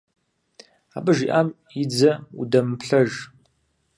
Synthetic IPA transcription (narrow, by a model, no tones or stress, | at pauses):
aːɓɨʒiʔam | id͡zɐṵdɐmpɬɐʒ